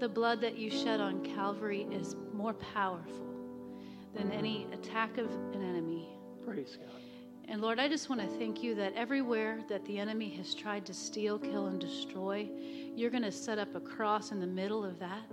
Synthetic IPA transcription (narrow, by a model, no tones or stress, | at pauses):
ðɨblʌd̪̚ðɨt͡ʃɨʃʌɾn̩kʰælˠvə˞iʔɪzmɔɹpʰaʊə˞fl̩ˠ | ðɨ̃nɛɾ̃iɨ̰tʰækʌvɨ̃nɛñɨmi | pʰɹ̥eɪz̥ɡ | ʔɨ̃nlɔɹɾaɪd͡ʒʌst̚wɑ̃ñɨθæ̃ŋkʰjɨðɨɾʔɛvɹiwɛɹðɨt̪̚ðiɛnɨmiɨz̥tʰɹ̥aɪd̚tʰɨstilˠkʰɪlˠə̃ndɨstɹ̥ɔɪ | jə˞ɡʌñɨsɛɾʌpəkʰɹ̥ɔsɨ̃nðɨmɪɾl̩ˠʌvðæt̚